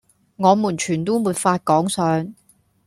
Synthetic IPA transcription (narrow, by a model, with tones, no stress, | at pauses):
ŋɔː˨˧muː˨˩nt͡ʃʰyː˨˩nt̪uː˥muː˨˧t̚faː˧t̚kɔː˨˥ŋsœː˨˧ŋ